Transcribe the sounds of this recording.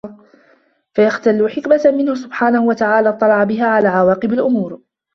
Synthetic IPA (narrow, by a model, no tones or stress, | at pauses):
fajaxt̪alːʊħɪkmamɪnhʊsʊbħaːnahʊwat̪aʕaːlaːt̪ˤːɑlɑʕabɪɦaːʕalaːʕawaːqɨbalʔʊmuːɾ